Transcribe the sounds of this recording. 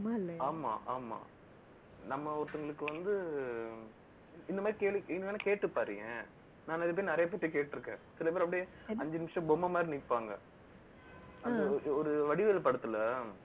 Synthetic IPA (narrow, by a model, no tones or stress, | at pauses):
mlːaːma̰ːʔaːma̰ː | nɐmːɐɔɾt̪ːɐŋɡɐɭɯkːɯʋɐnd̪ɯ | ɪnd̪ɐmaːd̪ɾikeːɭiɪŋaːnakeːʈːɯpːaːɾɯŋẽ | naːnɪðɯp̬ɐːɾinɪɾɐjɐp̬eːʈːɐkeːʈːɪɾɯkːḛ̃ːsɪlɐp̬eːɾɐpːɐɽɪj | ɐɲd͡ʒɐnɪmɪʂɐ̃bɔmɐmaːd̪ɾinɪpːaːŋɡɐ̰ | ɐnd̪ɐɔɾɯʋɐɽɪʋeːlpɐɽɯt̪ːɯlːɐ